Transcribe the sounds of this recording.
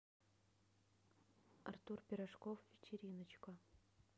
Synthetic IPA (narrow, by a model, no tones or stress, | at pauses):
ɐ̰rt̪urpʲɪɾaʂkofvʲɪt͡ɕɪɾʲinə̆t͡ɕko